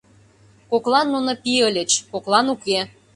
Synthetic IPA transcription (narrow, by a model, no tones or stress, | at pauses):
koklɑnːunŏpiəlʲə̆t͡ɕkoklɑnuke